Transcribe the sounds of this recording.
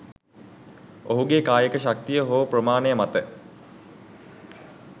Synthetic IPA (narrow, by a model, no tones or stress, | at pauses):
oɦuɡekaːjəkəʃak̚t̪ijəɦoːʋəprəmaːnejəmat̪ə